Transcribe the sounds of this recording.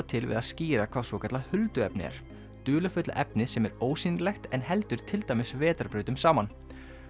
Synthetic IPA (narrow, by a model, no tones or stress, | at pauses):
t̪ʰɪlvɪ̰ðaðsciːɾakʰv̥aːsvɔːcʰat̪lahʏlt̪ʏɛpnɪ̰ɛ̰ɾ̥ | t̪ʏːlʏfʏt̪la̰ʔɛpnɪsɛmɛɾoːwsinlɛxt̪ɛnɦɛlt̪ʏɾ̥t̪ʰɪlt̪aːjmɪsvɛːt̪aɾpɾʏːt̪ʏmsaːman